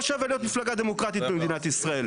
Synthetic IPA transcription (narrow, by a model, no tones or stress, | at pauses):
ʃaveljo̞t̪miflaɡad̪e̞mo̞kʁat̪it̪̚bemed̪inat̪isʁae̞l